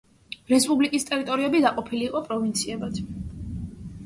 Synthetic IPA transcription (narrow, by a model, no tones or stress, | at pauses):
ɾɛspʼublikʼist̪ʼɛɾit̪ʼɔɾiɛbid̪aqʼɔpʰiliːqʼɔpʼɾɔvint̪sʰiɛbad̪ʰ